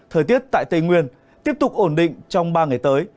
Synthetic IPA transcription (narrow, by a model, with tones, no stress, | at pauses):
t̪ʰəː˨˩t̪i˦˥ət̚t̪a̰ː˧˨jt̪ə˧˩jŋwi˧ən | t̪i˦˥əp̚t̪ʊ˨˩k͡p̚ʔo˧˩nɗḭ̈˧˨ŋ̟t͡ɕɔ˧wŋ͡mɓaː˧ŋa˨˩jt̪əː˨˦j